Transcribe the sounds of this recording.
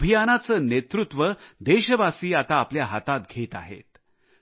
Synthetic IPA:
əbʱijanat͡səːnet̪ɾut̪ʋəd̪eɕəʋasiːat̪aːpljaɦat̪at̪̚ɡʱet̪a̰ɦḛt̪

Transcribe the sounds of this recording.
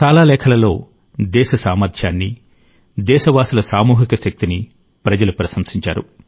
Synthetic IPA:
ʃaːlaːlɛːkʰɐlɐlo̞ː | d̪ɛːʃɐsaːmɐɾd̪ʰjaːnːi | d̪ɛːʃɐʋaːsulɐsaːmuːɦikɐʃɐk̚t̪ini | pɾɐd͡ʒɐlupɾɐsɐmsiɲt͡ʃa̰ːɾṵ

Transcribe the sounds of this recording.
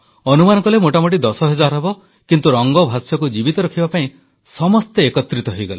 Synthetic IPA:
ɔnumanɔ̃ŋkɔlemoʈamoʈ̬id̪ɔsɔɦed͡ʒaɾɔbɔ | kint̪uɾɔŋɡɔbʱasjɔkud͡ʒibit̪ɔɾɔkʰibapaĩ | sɔmɔst̪eːkɔt̪ːɾit̪ɔɦojɡɔle

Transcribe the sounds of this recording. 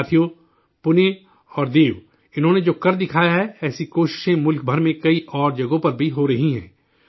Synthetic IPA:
t̪ʰijo | pʊne | ɔːɾd̪eːʋ | ɪnɦõːned͡ʒoːkɐɾd̪ɪkʰaːjaɦɛɛːsikoːʃɪ̥ʃẽmʊlk̚bʱɐɾmẽkɐiʔɔːɾd͡ʒɐɡõpɐɾbʱiɦoɾɐɦiɦɛ̰̃ː

